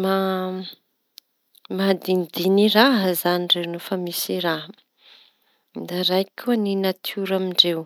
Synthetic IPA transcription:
ma | mad̪ind̪iniraɦzaniɳɖ͡ʐenufamisiɾa | d̪aɾajkʲʰuəninat̪ʰuɾamiɳɖ͡ʐew

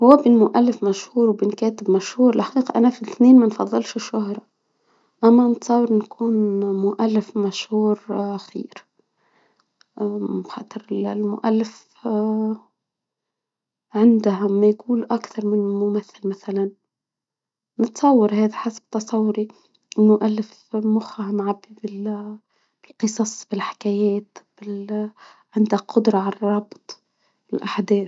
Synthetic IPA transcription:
hʊwːabɪnmʊʔalːɪfmaʃhuːɾwbɪnkeːt̪ɪbmaʃhuːɾɪlħḁqiːqɑʔanafiθneːnmanfɑðˤːɨlʃɪʃːʊhɾˤɑ | ʔamːanɪt̪sˤɑwɪɾnkʰuːnmʊʔalːɪfmaʃhuːɾxḭːɾ | xɑ̰ːt̪ˤɨɾɪlmʊ̰ʔalːɪf | ʕɪnd̪ahamːajɡuːlʔakθɑɾˤmɪnlmʊmaθːɪlmaθalan | nɨt̪sˤɑwːɑɾhaːðaħasḁb̚t̪ɑsˤɑwːʊɾi | ɪlmʊʔalːɪf | mʊxahamʕabːibɪl | b̥ɪlqɨsˤɑsˤb̥ɪlħɪ̥kajeːt̪b̥ɪl | ʕɪnd̪aqʊd̪ɾˤɑʕalrˤɑbt̪ˤ | ɪlʔaħd̪eː

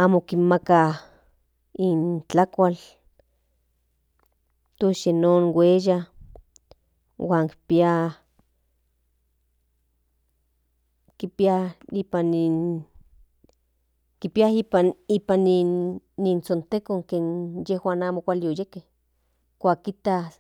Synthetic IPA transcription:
aːmokinmaka | int͡ɬakʷal | t̪oʃjenoːnweja | waːŋki̥pia | kipiaipanin | kipiaipanipaninːint͡sont̪ekoŋkeːnjehwaːnaːmokʷaliojekeh | kʷaːkːit̪a

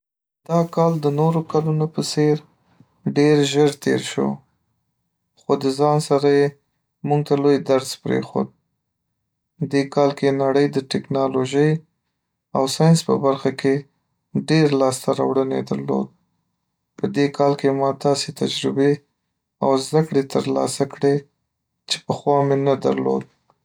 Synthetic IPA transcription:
d̪̥ɑkɑld̪ənoɾokalunopəseɾ | ɖeɾʒəɾt̪ḛɾʃo̰ | xod̪əzɑnsaɾaje | muɡ̚t̪alojd̪aɾzpɾḛxo̰d̪̚ | d̪ekɑlkenaɽəjd̪əʈɪknɑloʒəj | awsɑjnspə̰baɾxakʰe | ɖeɾlɑst̪aɾa̰wɽəned̪a̰ɾlo̰d̪̚ | pəd̪ekʰɑlkemɑd̪ɑset̪ad͡ʒɾɪbe | a̰wzd̪akɽet̪əɾlɑ̰sakɽe | t͡ʃe̥pəxwɑmenad̪a̰ɾlo̰d̪̚

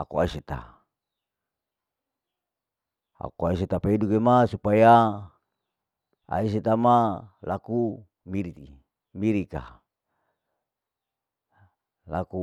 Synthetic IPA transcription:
akuaiset̪a̰ | a̰kuaiset̪apeidukemasupaja | a̰is̬et̪amalaku | miɾit̪i | miɾika̰ | laku

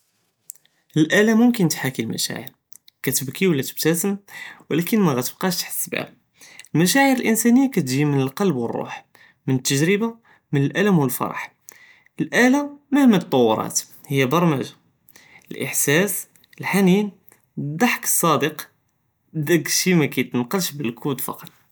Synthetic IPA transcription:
əlʔælæmʊmkənt̪ħakilmæ̰ʃæ̰ʕə̰ɾ | kæt̪əbkiwəlːæt̪ə̥b̚t̪æsəmwəlækənmæɣæt̪əb̥̚qɑʃt̪ḁħə̥sbæ̰b̚ | əlmæʃæʕəɾəlʔənsænəjːakæt̪ʒimənəlqɑlbwərˤːṵħ | mənət̪ːəʒɾəba | mənəlʔæləmwəlfɑ̰ɾˤɑ̰ħ | əlʔælaməhmət̪ˤːɑwːɾˤɑ̰t̪ | həjːæbɑɾˤmæʒa | əlʔə̰ħsæs | əlħanin | d̪ˤɑħkə̥sˤːɑd̪əq | d̪ækʃimækæjt̪nqɑlʃbəlkud̪fɑ̰qɑt̪ˤ

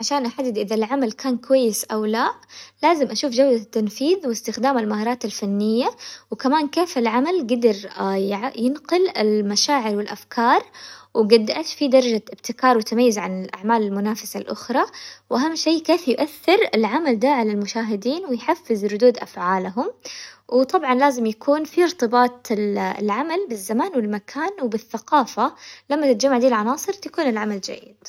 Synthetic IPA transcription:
ʕaʃaːnʔaħad̪ːɪd̪ʔɪðalʕamalkʰaːnkʊwajːɪsʔawlaʔlaːzɪmʔaʃuːfd͡ʒawd̪at̪ːanfiːðwɪst̪ɪxd̪aːmalmahɑːɾˤɑːt̪alfanːɪjːawkamaːnkeːfɪlʕamalɡad̪ɑɾˤ | jɪnqʊlɪlmaʃaːʕɪɾwɪlʔafkʰɑːɾˤwɪɡad̪ːaʔat̪fid̪ɑɾˤɑd͡ʒaʔɪbt̪ɪkɑːɾˤwɪt̪amajːɪzʕanɪlʔa̰ʕmaːlɪlmʊnaːfasalʔʊxɾˤɑwʔaɦamːʃeːkeːfjʊʔaθːɪɾɪlʕamald̪aːʕalalmʊʃaːɦɪd̪iːnwɪjħafːɪzɾʊd̪uːd̪ʔafʕaːlɦʊmwʔɪt̪ˤɑbʕɑnlaːzɪmjakʰuːnfiɾt̪ˤɨbɑːt̪ˤɪ̰lʕamalbɪzːamaːnwɪlmakʰaːnwbɪθːaqɑːfalamːat̪ɪt̪ad͡ʒamːaʕd̪iːlʕɑnɑːsˤɨɾt̪akuːnɪlʕamald͡ʒa̰jːɪ̰d̪̥

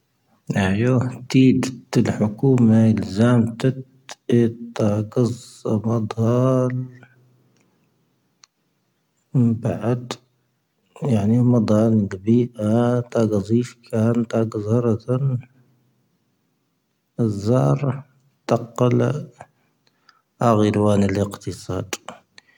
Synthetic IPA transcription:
ʔaʕjoːht̪iːd̪t̪ɪlħʊkuːmaɪlzaːmt̪at̪ | t̪ɑːɡɑzˤmɑd̪ˤhɑl | baʕad̪ | jaʕnimɑd̪ˤɑlɡbiːʔat̪ɑɡɑzˤiːfkʰant̪ɑɡəzˤhɑɾˤɑt̪an | zːɑːɾˤ | t̪ɑqːɑl | ʔaɣəɾwaːnələqt̪əsˤɑ̰ːd̪

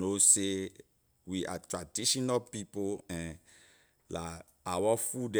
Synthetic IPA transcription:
nose | wiʔatɹadiʃɔnapipoɛ̃n | la | awafudɛ

